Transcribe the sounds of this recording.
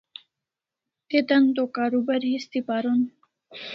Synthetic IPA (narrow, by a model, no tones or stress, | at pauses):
t̪et̪ant̪okaɾubaɾhist̪ipaɾon